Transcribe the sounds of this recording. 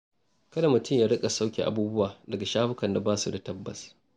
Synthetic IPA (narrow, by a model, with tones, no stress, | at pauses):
kɐ˦da˨mʊ˨tʊ˦mjaː˦ɽɪ˦kʼa˨sa˦wkʲḭ˨ʔa̰˦buː˦bʊ˦waː˨dɐ˨ɡa˨ʃaː˦ɸɪ˦kɐ˨nda˨baː˦su˨da˨tɐ˦bːɐ̰˨s